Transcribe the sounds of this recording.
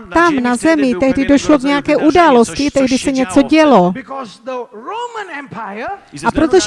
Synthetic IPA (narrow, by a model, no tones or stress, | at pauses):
t̪amnazɛmɪt̪ɛɦdɪdo̞ʃlo̞kɲɛjakɛːʔudaːlo̞scɪt̪ɛɦdɪsɛɲɛt͡so̞ɟɛlobkzðəɹomə̃nɛ̃mpʰaɪəʔapɾot̪oʒ